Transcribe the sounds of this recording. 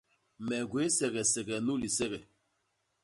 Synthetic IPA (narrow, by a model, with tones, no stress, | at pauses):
mɛ˨ɡwe˨˦sɛ˨ɣɛ˨sɛ˨ɣɛ˨nu˦li˨sɛ˦ɣɛ˨